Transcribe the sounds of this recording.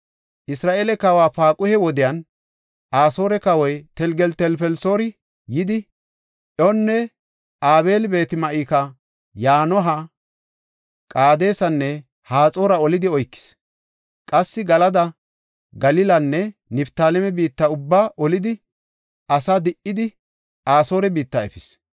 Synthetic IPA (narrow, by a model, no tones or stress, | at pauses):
ʔɪsɾaːʔeːlɛkɐwaːfaːkʼʊhɛwɔd̪ɪjɐn | ʔaːso̞ːɾɛkɐwɔjt̪ɛlɡɛlt̪ɛlpɛlso̞ːɾɪ | jɪd̪ɪ | ʔɔnːɛ | ʔaːbe̞ːlɪbe̞ːt̪ɪmɐʔiːkɐ | jaːnɔɦɐ | kʼaːd̪e̞ːsɐnːɛ | haːt͡sʼoːɾɐɔlɪd̪ɪɔjkːɪ̥s | kʼɐsːɪɡɐlɐd̪ɐ | ɡɐlɪlɐnːɛnɪbt̪aːlɛmɛbiːt̪ːɐʊbːaʔɔlɪd̪ɪ | ɐsad̪ɪʔːɪd̪ɪ | ʔaːso̞ːɾɛbiːt̪ːɐɛfɪs